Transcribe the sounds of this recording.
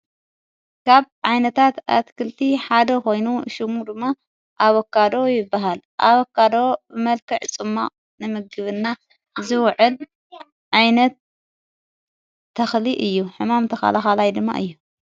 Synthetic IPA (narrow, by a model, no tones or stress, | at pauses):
kʰaβʕajnɐt̪ʰat̪a̰t̪kʰɨlt̪ʰiħad̪ɐko̞jnuʃɨmud̪ɨmːa | ʔaβɐkʰːad̪o̞jɪbːaɦalʔaβokʰːad̪o̞bɨmɐlkʰɐʕt͡sʼɨmːaʔʼ | nɨmɨɡɨβɨnːa | zɨwʕɨl | ʕajnɐt̪ | ɐxliʔɨjːuħɨmamt̪ʰɐxa̰laxalajd̪ɨmːa̰ʔɨjːu